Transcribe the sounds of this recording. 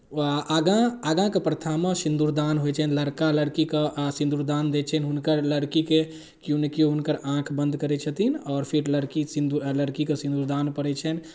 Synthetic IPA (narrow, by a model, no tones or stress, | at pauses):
ɡãaɡãkepɾət̪ʰamãsĩnd̪uɾd̪anɦojt͡ʃʰɛnləɾkaləɽkikesĩnd̪uɾd̪aːnd̪et͡ʃʰɛnɦunkəɾləɽkike | kjunəkijoɦunkəɾãkʰbə̃nd̪ʱkəɾɛt͡ʃʰət̪inɔːɾpʰiɾləɽkisind̪uləɽkikesĩnd̪uɾd̪anpəɾɛt͡ʃʰɛn